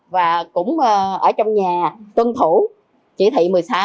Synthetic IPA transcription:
vaː˨˩kʊ̰˧˥ŋ͡mə˨˩ʔəː˧˩t͡ɕɔ˧wŋ͡mɲaː˨˩t̪wə˧nt̪ʰu˧˩˦ | t͡ɕi˧˩t̪ʰḭ˧˨mɨ˨˩əjsaː˧

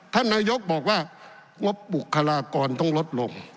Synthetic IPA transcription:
t̪ʰa˥˩nːaː˧jo˦˥k̚bɔː˨˩k̚waː˥˩ | ŋo˦˥p̚bu˨˩kʰːa˧laː˧kɔː˧nt̪ɔ˥˩ŋlo˦˥t̪̚lo˧ŋ

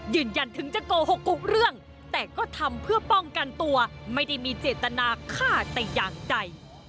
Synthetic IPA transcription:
jɯː˧˩nja˧nt̪ʰɯ˩˦ŋt͡ɕa˧˩koː˧ho˨˩kːu˨˩k̚ɾɯ˥˩əŋ | t̪ɛː˨˩kɔː˥˩t̪ʰa˧mpʰɯ˥˩ɐpɔ˥˩ŋka˧nt̪u˧ɐma˥˩jda˥˩jmiː˧t͡ɕeː˨˩t̪ːa˧naː˧kʰaː˥˩t̪a˧˩jjaː˨˩ŋt͡ɕa˧j

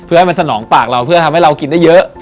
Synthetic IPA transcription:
pʰɯ˥˩ha˥˩jma˧sʰa˧nɔː˩˦ŋpaː˨˩k̚ɾa˧wpʰɯ˥˩ɐt̪ʰa˧mha˥˩jɾa˧wki˧nda˥˩jɤ˦˥ʔ

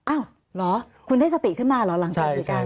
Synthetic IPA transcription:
ʔaː˧˩w | lɔ˨˦ | ku˧˩˨nt̪ʰːzaː˧˩t̪ḭ˧˩xɨː˨˦maː˧˩lɔ˨˦la˨˦ŋ˧i˨˩˨kaː˧˩

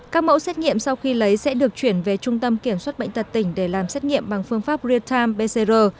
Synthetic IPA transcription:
kaː˦˥k̚mo̰˧˥sɛː˦˥t̚ŋḭ˧˨əmsa˧wxi˧lə˨˦jsɛ̰˧˥ɗɨ˨˩ək̚t͡ɕwi˧˩ənve˨˩t͡ɕʊ˧ŋ͡mt̪ə˧mki˧˩əmswaː˦˥t̚ɓə̰˧˨ŋ̟t̪ʰə˨˩t̚t̪ï˧˩ŋ̟ɗe˧˩laː˨˩msɛ˦˥t̚ŋḭ˧˨əmɓa˨˩ŋfɨ˧əŋfaː˦˥p̚zi˧ət̪ʰaː˧mɓe˧se˧zəː˧

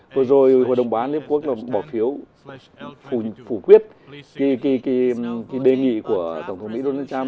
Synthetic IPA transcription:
vo˧˨˩zo˨˩jɦo̰˧˨ɗə˨˩wŋ͡mɓaː˨˦nli˦˥əp̚ku˦˥ək̚laː˨˩ɓɔ˧˩fi˨˦əw | fu˧˩fu˧˩kwi˦˥ət̚ | ki˨˦ki˨˦ki˨˦ki˨˦ɗe˨˩ŋḭ˧˨ku˧˩ət̪ə˧˩wŋ͡mt̪ʰə˦ŋ͡mmḭ˧˥ɗo˧naː˧˩t͡ɕaː˧m

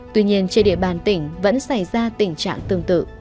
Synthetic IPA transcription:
t̪wi˧ɲi˧ənt͡ɕe˧nɗḭ˧əɓaː˨˩nt̪ï˧˩ŋ̟və̰˧˥nsa˧˩jzaː˧t̪ï˧˩ŋ̟t͡ɕa̰ː˧˨ŋt̪ɨ˧˩əŋt̪ɨ̰˧˨

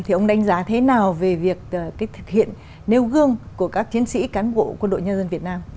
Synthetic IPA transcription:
t̪ʰi˨˩ʔə˧wŋ͡mɗa˨˧˦jŋ̟zaː˨˦t̪ʰe˨˦naː˨˩wve˨˩vi˨˩ək̚ːkaː˨˦jt̪ʰɨ̥˨˩k̚hḭ˧˨ənː | e˧wɣɨ˧əŋku˧˩əkaː˦˥k̚t͡ɕi˨˦ənsḭ˧˥kaː˨˦nɓo̰˧˨kwə˧nɗo̰˧˨ɲə˧nzə˧nvət̚naː˧m

